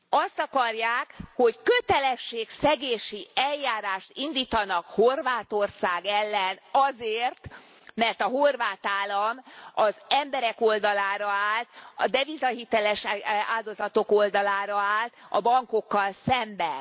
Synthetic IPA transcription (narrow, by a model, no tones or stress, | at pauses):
ɒst̪ɒkɒrjaːkho̞ckøt̪ɛlɛʃːeːksɛɡeːʃiʔɛljaːɾaːʃt̪ind̪iːt̪ɒnɒkho̞rvaːt̪o̞rsaːɡɛlːɛnɒzeːrt̪ | mɛrt̪ɒɦorvaːt̪aːlːɒmɒzɛmbɛɾɛko̞ld̪ɒlaːɾɒaːlt̪ɒd̪ɛvizɒɦit̪ɛlɛʃaːld̪o̞zɒt̪o̞ko̞ld̪ɒlaːɾɒaːlt̪ɒ̰bɒŋko̞kːɒlsɛmbɛn